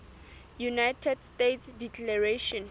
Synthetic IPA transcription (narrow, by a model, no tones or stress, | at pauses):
junajtʰɛdstetsdikʰlaɹeʃɔ̃n